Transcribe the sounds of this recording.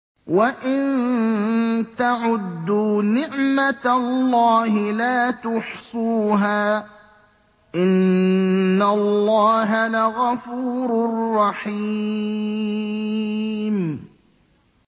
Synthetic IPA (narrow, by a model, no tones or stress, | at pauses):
waʔɪn | t̪aʕʊd̪ːunɪʕmat̪alːɑːɦɪlaːt̪ʊħsˤuːɦaː | ʔɪnː | alːɑːɦalaɣafuːɾʊrːɑħi | m